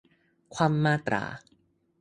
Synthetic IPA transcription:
kʰwaː˧mːaː˥˩t̪ɾa̰ː˩˦

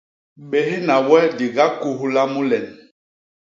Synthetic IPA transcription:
ɓe˨ɦi˦na˨wɛ˦di˨ɡa˦ku˦ɦu˦la˦mu˦lɛ˨n

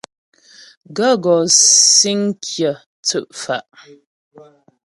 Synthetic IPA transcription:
ɡə˦ɡɔ˨si˦ŋ˦kʰjə˨ | t͡sə˦˨ʔfa˨ʔ

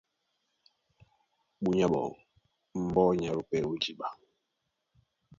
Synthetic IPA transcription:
ɓu˨ɲa˦ɓɔ̰˨ŋ | m̩˦bɔ˦ɲa˨ɾu˨pɛ˨ɾu˦d͡ʒi˦ɓa˨

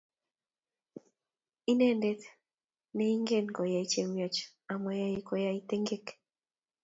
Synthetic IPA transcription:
i˦ne˦nde˦t̪ | nɛ˦i˦ŋɡe˦˨nɡɔ˨ja˨it͡ʃe˨mjɔ˨t͡ʃ | a˨mɔ˨ja˦i˦kɔ˨ja˦it̪e˦ŋɡe˦k

